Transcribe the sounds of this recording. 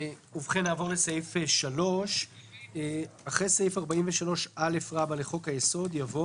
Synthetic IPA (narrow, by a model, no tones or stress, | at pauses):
uvχenaːvo̞ʁlesajifeʃalo̞ʃ | aχʁesajifaʁbaimveʃalo̞ʃale̞fʁabaleχo̞khajeso̞d̪javo̞